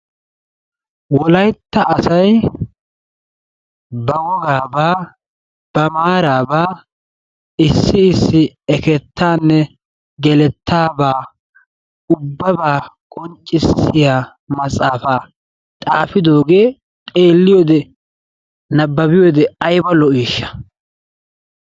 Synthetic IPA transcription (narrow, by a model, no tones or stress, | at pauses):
wɔlɐjt̪ːɐʔːsɐj | bɐɡɔɡaːbaː | b̥ɐmaːɾaːbaː | ɪsːɪɪsːɪɛkɛt̪ːaːnːɛ | ɡɛlɛt̪ʰːaːbaː | ʊbːɐbaːkʼɔnt͡ʃʼːɪsːɪjaː | mɐsʼaːfaː | t̪ʼaːfɪd̪o̞ːɡe̞ː | t̪ʼe̞ːlːɪjoːd̪ɛ | nɐbːɐbɪjoːd̪ɛɐjbɐlɔʔiːʃːɐ̥